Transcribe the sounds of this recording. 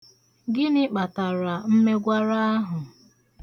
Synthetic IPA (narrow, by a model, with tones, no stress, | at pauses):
ɡɪ˦nɪ˦k͡pa˨ta˨ɾa˨m̩˦me˦ɡʷa˦ɾa˦a˦ɦʊ˨